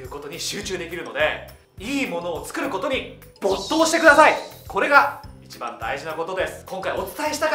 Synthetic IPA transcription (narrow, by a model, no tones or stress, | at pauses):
ɯ̟ːko̞t̪o̞ɲ̟iɕɨːt͡ɕɨːd̪e̞kʲiɾɯ̟no̞d̪e̞ | iːmo̞no̞ːt͡sɨ̥kɯ̟ɾɯ̟ko̞t̪o̞ɲ̟i | b̥ot̪ːo̞ːɕi̥t̪e̞kɯ̟d̪asaiko̞ɾe̞ɡait͡ɕibã̰nd̪a̰iʑinako̞t̪o̞d̪e̞sɨ̥kõ̞ŋkaio̞t͡sɨ̥t̪aeɕi̥t̪ak